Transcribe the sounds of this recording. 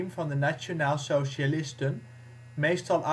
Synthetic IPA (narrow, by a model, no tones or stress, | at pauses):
mvɑndənat͡ʃonaːlˠsowʃalɪstən | mejstɑlˠʔa